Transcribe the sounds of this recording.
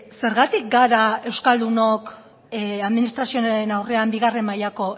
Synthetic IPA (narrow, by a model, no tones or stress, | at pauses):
se̞ɾɣat̪ik̚ɡaɾae̞wskald̪uno̞k | aðminist̪ɾasio̞enawre̞ambiɣ̞are̞majako̞